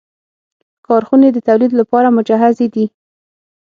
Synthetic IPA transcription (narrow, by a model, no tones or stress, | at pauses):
kɑɾxuned̪ət̪awlid̪lapɑɾamʊd͡ʒaɦazed̪i